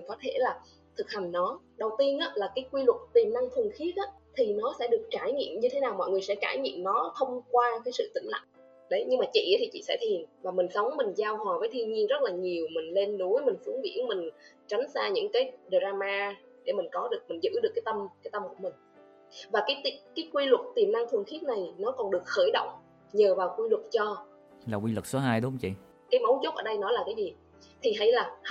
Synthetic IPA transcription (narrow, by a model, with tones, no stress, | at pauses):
ŋkɔ˨˦t̪ʰe˧˩laː˨˩ | t̪ʰɨ˨˩k̚ha˨˩ŋ̟nɔ˨˦ɗə˨˩wt̪i˧ənʔaː˨˦laː˨˩kaː˨˦jkwi˧lwʊ˨˩t̚t̪i˨˩mna˧ŋt̪ʰɨ˨˩əŋxi˨˦˥ət̚ʔaː˨˦t̪ʰi˨˩nɔ˨˦sɛ̰˧˥ɗɨ˨˩ək̚t͡ɕaː˧˩jɲḭ˧˨əmɲɨ˧t̪ʰe˨˦naː˨˩wmɔ̰˧˨ŋɨ˨˩əjsɛ̰˧˥kaː˧˩jɲḭ˧˨əmnɔ˨˦t̪ʰə˧wŋ͡mkwaː˧kaː˨˦jsɨ̰˧˨t̪ï˧˩ŋ̟la̰˧˨ŋ | ɗə˨˦jɲɨ˧ŋmaː˨˩t͡ɕḭ˧˨ʔt̪ʰi˨˩t͡ɕḭ˧˨sɛ̰˧˥t̪ʰi˨˩ənvaː˨˩mï˨˩ŋ̟sə˨˦wŋ͡mmï˨˩ŋ̟zaː˧whɔː˨˩vəː˨˦jt̪ʰi˧ənɲi˧ənzə˦˥t̚laː˨˩ɲi˨˩əwmï˨˩ŋ̟le˧nːu˨˦jmï˨˩ŋ̟fu˨˦əŋvḭ˧˥ənmï˨˩ŋ̟ | t͡ɕa˨˦ŋ̟saː˧ɲɨ̰˧˥ŋkaː˨˦jɗə˨˩zaː˧maː˧ | ɗe˧˩mï˨˩ŋ̟kɔ˨˦ɗɨ˨˩ək̚mï˨˩ŋ̟zɨ̰˧˥ɗɨ˨˩əkːaː˨˦jt̪ə˧mkaː˨˦jt̪ə˧mku˧˩əmï˨˩ŋ̟ | vaː˨˩kaː˨˦jt̪i˨˧kaː˨˦jkwi˧lʊ˨˩t̚t̪i˨˩əmna˧ŋt̪ʰɨ˨˩ŋxi˦˥t̚na˨˩jnɔ˨˦kɔ˨˩nɗɨ˨˩ək̚xəː˧˩jɗo̰˧˨wŋ͡m | ɲəː˨˩vaː˨˩wkwi˧lwʊ˨˩t̚t͡ɕɔ˧ | laː˨˩kwi˧lwʊ˨˩k̚so˨˦ɦaː˧jɗʊ˨˦˧ŋ͡mt͡ɕḭ˧˨ | kaː˨˦jmə˨˦wzo˦˥k͡p̚ʔəː˧˩ɗə˧jnɔ˨˦laː˨˩kaː˨˦jzi˨˩ | t̪ʰi˨˩ɦa˨˩˦jlaː˨˩